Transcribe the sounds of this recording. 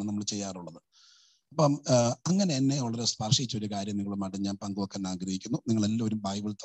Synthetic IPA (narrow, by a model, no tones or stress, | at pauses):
nɨnɐmːɐɭt͡ɕejːaːruɭːɐðɨ | ɐpːɐmɐŋːɐne̞ːnːe̞ʋɐɭɐɾespɐrʂit͡ɕːɐoɾukaːɾjɐmniŋːɐɭumɐʈːɐɲaːnpɐŋɡuʋɐkːaːnːaːɡɾɐhikʲːunːuniŋːɐɭelːɐmoɾubʱaːjbɨɭt̪ː